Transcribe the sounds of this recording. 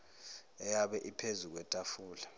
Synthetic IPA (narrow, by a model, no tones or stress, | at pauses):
ɛjaɓɛʔipʰezuk̬wɛtʼafuːla